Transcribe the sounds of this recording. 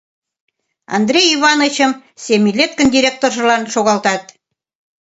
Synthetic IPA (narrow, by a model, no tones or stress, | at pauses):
ɑ̰nd̪rʲejiβɑnot͡ɕɤ̆msʲemʲilʲet̪̚kə̆nd̪ʲiɾʲek̚t̪orʒɤ̆lɑnʃoɣɑlt̪ɑt̪̚